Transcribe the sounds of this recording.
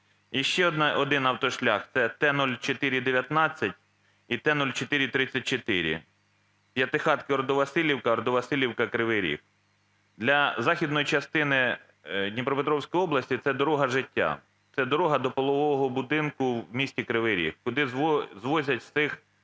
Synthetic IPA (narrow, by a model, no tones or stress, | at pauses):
jiʃt͡ʃɛɔd̪ɪnɐwt̪ɔʃlʲɑxt̪sɛt̪ɛnɔlʲt͡ʃet̪ɪɾʲid̪eʋʲjɐt̪nɑt͡sʲːɐtʲ | it̪ɛnɔlʲt͡ʃet̪ɪɾʲit̪ɾɪt͡sʲːɐt̚ʲt͡ʃet̪ɪɾʲḭ | pʲjɐt̪ɪxɑt̪kɪɔɾɔd̪ɔʋɐsɪlʲiwkɐɾɔd̪ɔʋɐsɪlʲiwkɐkɾɪʋɪɾʲḭk | d̪lʲɐzɑxʲid̪nɔjit͡ʃɐst̪ɪnɪ | d̪ʲnʲipɾɔpet̪ɾɔwsʲkɔjɔblˠɐsʲtʲit̪sɛd̪ɔɾɔɦɐʒɪtʲːa̰ | t̪sɛd̪ɔɾɔɦɐd̪ɔpɔlˠɔʋɔɔɦɔbʊd̪ɪnkʊwmʲisʲtʲikɾɪʋɪɾʲḭkkʊd̪ɪzzʋɔzʲɐtʲssɪx